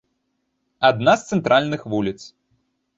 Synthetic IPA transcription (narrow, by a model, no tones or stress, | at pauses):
ad̪nast̪sɛnt̪ɾʔalʲnɨxvulʲit̪s